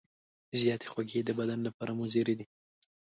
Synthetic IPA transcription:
zijɑt̪ʰe̥xwaɡed̪əbad̪anlapɑɾamuzeɾed̪i

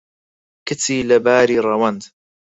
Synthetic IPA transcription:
kɪt̪iːlabaːɾiːɾˤawand̪

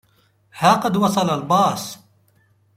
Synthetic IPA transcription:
haːqɑd̪wɑsˤɑlalbɑːs

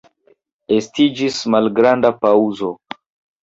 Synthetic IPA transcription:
estid͡ʒismalɡɾandapauzo̞

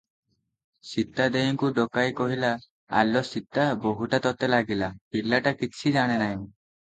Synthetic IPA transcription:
sit̪ːad̪ejɔŋkuɖɔkajkɔɦila | a̰lɔsit̪ːaboɦuʈat̪ɔt̪elaɡilapiɾlːaʈakit͡ʃʰid͡ʒaɽ̃enaj̃

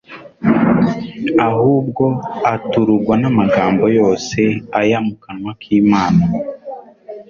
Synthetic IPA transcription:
ahuːb̚ɡo̞atuɾuɾɡwanamaɡaːmbo̞jo̞ːse̞ajamukanwakʰiːmaːna

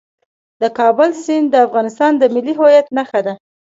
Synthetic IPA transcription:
d̪əkɑbʊlsind̪əafɣɑnɪst̪ɑnd̪əmɪlːiɦojat̪naxad̪a

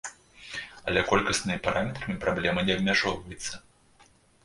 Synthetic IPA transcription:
ɐ̰lʲɛkɔlʲkɐsnɨmʲipaɾamʲɛt̪ɾɐmʲipɾablʲɛmɐnʲɛɐb̚mʲaʐɔwvɐjɛt̪sːɐ

